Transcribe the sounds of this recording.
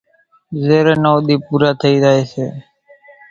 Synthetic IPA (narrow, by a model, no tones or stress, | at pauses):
zeːɾeːnoːɗ̪iːpuːɾaːt̪ʰəiːd͡ʒaːeːseː